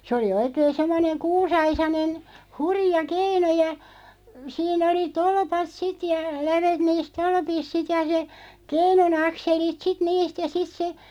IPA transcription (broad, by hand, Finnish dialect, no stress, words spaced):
se oli oikeːn semːoneŋ kuːsɑisɑnen hurĭjɑ keinu jɑ siːn oli tolpɑt sit jɑ læʋet niːs tolpis sit jɑ se keinun ɑkselit sit niːst jɑ sit se